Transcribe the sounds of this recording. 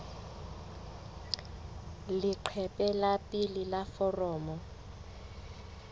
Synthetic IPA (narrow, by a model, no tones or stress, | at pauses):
liǃʰɛpʼɛlapʼililafɔrɔːmɔ